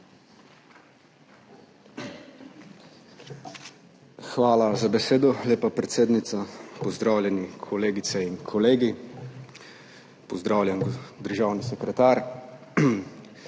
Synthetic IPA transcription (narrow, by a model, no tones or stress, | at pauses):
xʋaːlazabɛseːd̪ɔleːpapɾɛt̪seːd̪nit̪sapɔzd̪ɾaːwlʲjɛnikʰɔleːɡit̪sɛinkʰɔleːɡi | pɔzd̪ɾaːwlʲjɛnɡd̪əɾʒaːwnisɛkɾɛt̪aːɾ